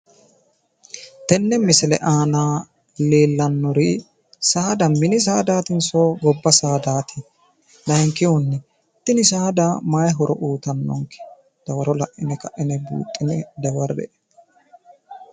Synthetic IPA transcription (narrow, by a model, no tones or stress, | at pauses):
t̪ɛnːɛmɪsɪlɛ̰ʔaːnaː | leːlːɐnːɔɾi | saːd̪ɐmɪnɪs̬aːd̪aːt̪ɪnsoːɡɔbːɐsaːd̪aːt̪ʰɪ | lɐɛŋkːɪʊnːɛ | t̪ːɪnɪsaːd̪amaːjɦɔɾʔɔʔuːt̪ɐnːɔ̰ŋkɛ̥ | d̪̥ɐwɐɾɔlɐʔɪnɛkɐʔɪnɛbṵːt̪ʼːɪnɛd̪ɐwɐɾɛ̰ʔɛ